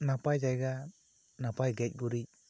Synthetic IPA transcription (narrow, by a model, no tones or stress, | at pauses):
napajd͡ʒajɡa | napajɡɛc̚ɡuɾic̚